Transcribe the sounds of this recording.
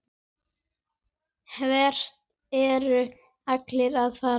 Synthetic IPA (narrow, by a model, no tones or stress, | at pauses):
hvɛr̥t̪ | ɛɾʏ | aklɪɾaðfaː